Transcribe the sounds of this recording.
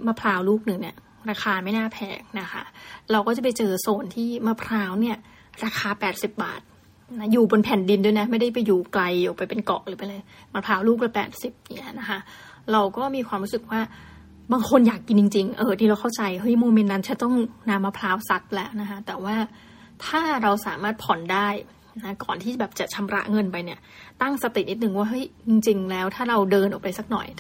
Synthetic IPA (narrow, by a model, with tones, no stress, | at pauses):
maː˧˩pʰlaː˧˥wluː˥˩k̚nɯ˨˩ŋni˧˩ɐ | ɾaː˧xʰaː˧ma˥˩jnaː˥˩pʰɛ̰ː˨˩k̚na˦˥kʰa̰˦˥ɾa˧wkɔː˥˩t͡ɕa˨˩pa˧jt͡ɕɤː˧soː˨˩nt̪ʰiː˥˩maː˧˩pʰɾaː˦˥wni˥˩ɐ | ɾaː˧xʰaː˧pɛː˨˩t̪̚si˨˩p̚ba̰ː˨˩t̪̚ | na˦˥juː˨˩bo˧npʰɛ˨˩ndi˧ndu˥˩˨jna˦˥ma˥˩jda˥˩jpa˧jːuː˨˩kla˧jʔɔ˨˩pa˧jpe˧nkɔ̰˨˩ʔ̚lɯː˨˩˦pa˧jlɤː˧j | maː˧pʰlaː˦˥wluː˥˩k̚lɛ˦˥pɛ̰ː˨˩t̪̚si˨˩p̚ja˨˩ŋi˦˥ɐ˧na˦˥kʰa˦˥ | ɾa˧wkɔː˥˩miː˧kʰwaː˧mɾuː˦˥sɯ˨˩k̚waː˥˩ | baː˧ŋkʰo˧njaː˨˩kːi˧nt͡ɕi˧ŋt͡ɕi˧ŋʔɤː˧˩t̪ʰiː˧ɾa˧wkʰa˥˩wt͡ɕa˧jɦɤ˦˥jmoː˧me˧nːa˦˥nkʰa˦˥t̪ɔ˥˩ŋna˧mːa˧pʰlaː˦˥wsa˦˥t̪̚lɛ˦˥wna˦˥kʰa˦˥t̪ɛː˨˩waː˥˩ | t̪ʰaː˥˩ɾa˧wsaː˩˦maː˥˩t̪̚pʰɔ˨˩ndaː˥˩j | na˦˥kɔ̰ː˨˩nt̪ʰiː˥˩bɛː˨˩p̚t͡ɕa˨˩t͡ɕʰa˧mɾa̰˦˥ʔŋɤ˧npa˧jni˧˩ɐt̪a˥˩ŋsa˧t̪i˨˩ni˨˩t̪̚nɯ˨˩ŋwaː˥˩ɦɤ˦˥jt͡ɕi˧ŋt͡ɕi˧ŋlɛː˦˥wt̪ʰaː˥˩ɾa˧wdɤː˧nʔɔ̰˨˩k̚pa˧jsa˨˩k̚nɔ̰˨˩j